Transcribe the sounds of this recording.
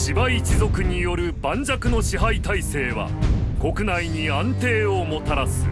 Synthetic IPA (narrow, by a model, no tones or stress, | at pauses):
ɕibait͡ɕizo̞kɯ̟ɲ̟ijo̞ɾɯ̟bãɲ̟d͡ʑakɯ̟no̞ɕiɦait̪aise̞ːβa̰ko̞kɯ̟naiɲ̟iãnt̪e̞ːomo̞t̪aɾasɨ